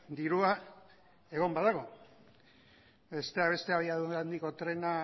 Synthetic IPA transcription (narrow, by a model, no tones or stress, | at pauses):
d̪iɾua | e̞ɣ̞o̞mbaðaɣ̞o̞ | be̞st̪e̞aβe̞st̪e̞aβiaðuand̪iko̞t̪ɾe̞na